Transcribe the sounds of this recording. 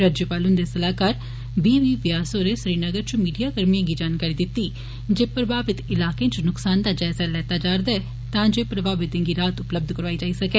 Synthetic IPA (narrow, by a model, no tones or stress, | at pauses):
ɾaːd͡ʒjəpaːlʊnd̪eːsəlaːkaːɾ | biːʋiːʋɪjaːsoːɾesɾiːnəɡəɾt͡ʃʊmiːɖijaːkəɾmijãːɡid͡ʒaːnkaːɾiːd̪ɪt̪ːiː | d͡ʒeːpɾəbaːbɪt̪ɪlaːkẽːt͡ʃnʊksaːnd̪aːd͡ʒɛːsalɛːt̪aːd͡ʒaːɾd̪aɛ | t̪ãːd͡ʒeːpɾəbaːbɪt̪ẽːɡiːɾaːt̪ʊpləb̚d̪ʱkəɾʋaːiːd͡ʒaːisɐkɛː